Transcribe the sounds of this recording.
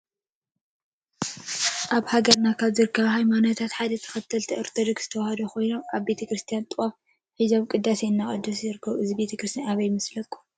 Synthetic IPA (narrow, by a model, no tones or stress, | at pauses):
ʔaβhaɡɐɾnakʰaβzɨɾɨkʰːɐβhajmanot̪ʰat̪ħad̪ɐt̪ʰɐ̥xɐt̪ʰːɐlt̪ʰiʔɨɾt̪ʰɐd̪ɨkz̥ɨt̪ʰɐwahɐd̪oxo̞jnoʔaβbe̞t̪ʰɐkɾɨst̪ʰijant̪ʼɨwʼaf | ħizaβkʼɨd̪ːasejɨnːaχʼɐ̰d̪usɨzɨɾɨkʰːɐβɨzibe̞t̪ʰɐkɾɨst̪ʰijanaβɐjmɨslɐkʼu̥